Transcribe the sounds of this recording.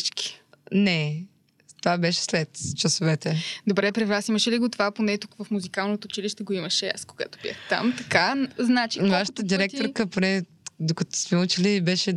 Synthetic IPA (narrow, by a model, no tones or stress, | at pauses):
t͡ʃki̥ | nɛ | t̪ovabɛʃɛ̥slɛt̪t͡ʃɐsovɛt̪ɛd̪obɾɛpɾɛvɾasiməʃɛliɡot̪ovaponɛt̪ukvəfmuzikalˠnot̪oːt͡ʃiliʃt̪ɛɡoiməʃɛa̰skoɡa̰t̪o̥bḭə̰xt̪a̰mt̪ɐkaznat͡ʃivaʃə̥t̪əd̪iɾɛkt̪oɾkəponɛ | d̪okɐt̪ɔ̥smɛut͡ʃilibɛʃɛ